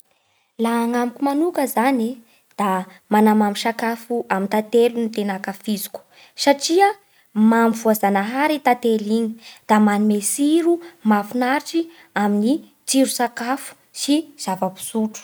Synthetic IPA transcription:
laːŋamikʲumanukəzani | d̪̥a | manamamisakafuʔamint̪at̪elunit̪enakafizu̥ku̥ | saʈ͡ʂiə | mamvuazanaɦaɾit̪at̪eliɲi̥d̪̥amanumesiɾumafunaɾʈ͡ʂi | amini | t͡siɾusakafu̥ | siz̥avəpi̥suʈ͡ʂu̥

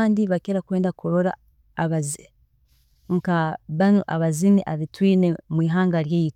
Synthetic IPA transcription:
aːndiβakeɾakweːndakuɾoɾa̰ː | βazi | ŋkaβanoʔaβaziniʔaβitwiːne̞mwiːɦaːŋɡaɾjeːjit

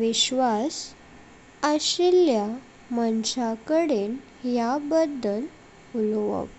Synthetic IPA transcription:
ʋiɕʋas | əɕilja | mənɕakəɽen | jabəd̪ːəl | ulʋə̰p

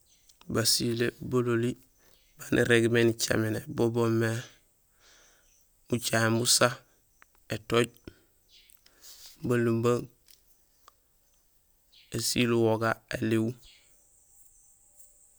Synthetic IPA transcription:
basilebololi | banʔḭɾeɡmenit͡ʃa̰menebobomːe | ut͡ʃaembusa | etoɟ̚ | balumbaŋ | esiluwoɡaeliw

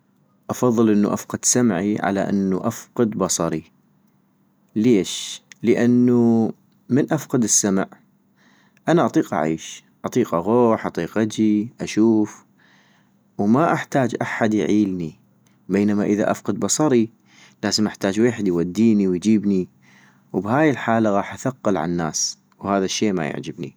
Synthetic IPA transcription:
ʔɑfɑðˤːɨlʔɪnːuʔafqɑd̪samʕiʕa̰la̰ʔa̰nːuʔafqɑd̪bɑsˤɑɾi | leːʃləʔanːu | mənʔafqɑd̪ɪsːamʕ | ʔanaʔɑt̪ˤiːqʔa̰ʕiːʃ | ʔɑt̪ˤiːqʔaɣoːħʔɑt̪ˤiːqʔad͡ʒiʔaʃuːf | wmaʔaħt̪aːd͡ʒʔaħad̪jʕiːlni | beːnamaʔəða̰ʔa̰fqɨd̪bɑsˤɑɾi | laːzəmʔaħt̪aːd͡ʒweːħɪd̪jwad̪ːiːniwjd͡ʒiːbni | wbhaːjɪlħaːlaɣɑːħʔaθaqːɑlʕa̰nːa̰ːs | whaːðaʃːeːma̰ja̰ʕd͡ʒɪbnḭ

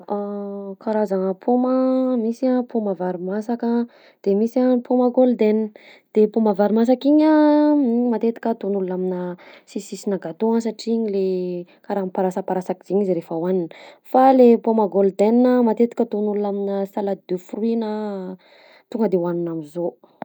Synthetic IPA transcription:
akaɾazaŋəpʰomaəmisiapʰomavaɾimasakə | d̪̥emisapʰoməɡold̪enn | d̪̥epomavaɾimas̬akiɲa | mat̪et̪i̥kʲət̪onulunaminəsisisinaɡat̪osaʈ͡ʂiɲilekaɾapaɾasəpaɾasakiz̥iɲiziɾefəwaninəfalepomaɡold̪ennəmat̪et̪i̥kʲət̪onulunaminəsalad̪ufuruinə | t̪uŋɡəd̪ewanunamizo

